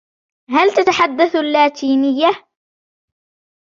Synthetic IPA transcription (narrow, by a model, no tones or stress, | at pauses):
halt̪at̪aħad̪ːaθalːaːt̪ʰiːnɪjːa